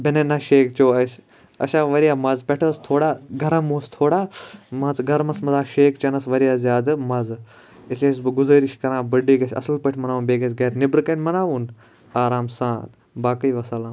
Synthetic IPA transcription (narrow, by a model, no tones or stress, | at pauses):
bʲɐnenɐʃeːkt͡ʃoːɐs | ɐ̰ʃãːʋɐɾijaːmɐzpʲɐʈʰɐːst̪ʰoːɽaːɡɐɾɐmoːst̪ʰoːɽaːmɐzɡɐɾmɐsmɐzaːʃeːkt͡ʃɐnɐsʋɐɾijaːzjaːd̪mɐz | isʲesbɨɡʊzəːɾiʃkɐɾãːbɐɖiːɡɐsʲɐ̰sɨlpɐʈʰmɐnaːʋuːnbeːɡɐsɡɐːɾnɪbɾɨkɐnʲmɐnaːʋuːn | aːɾaːmsaːn | baːkɐiʋɐsɐlãː